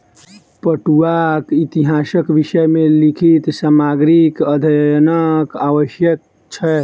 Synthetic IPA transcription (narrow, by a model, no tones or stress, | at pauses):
pəʈuakit̪iɦasəkʋiʃəjmelikʰit̪samaɡɾikəd̪ʱənəkaʋəʃjək̚ | t͡ʃʰɛ